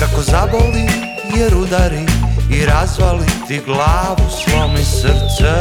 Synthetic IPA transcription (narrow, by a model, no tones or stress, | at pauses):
kako̞zaboli | jeɾud̪aɾiːɾazʋalit̪iɡlaːʋusʋomisr̩t̪sɛ